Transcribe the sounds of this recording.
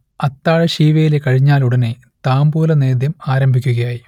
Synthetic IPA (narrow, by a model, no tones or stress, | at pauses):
ɐt̪ːaːɻɐɕiːʋɐjile̞kɐɻiɲːaːluɽɐne | t̪aːmbuːlɐne̞ːd̪jɐmaːɾɐmbʱikʲːuɣɐjaːji